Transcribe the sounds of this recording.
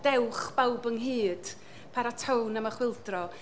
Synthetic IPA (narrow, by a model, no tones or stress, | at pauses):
d̥ɛwχb̥awbəŋɦɨːd̥ | pʰaɾatʰownaməχwɪlˠdrɔ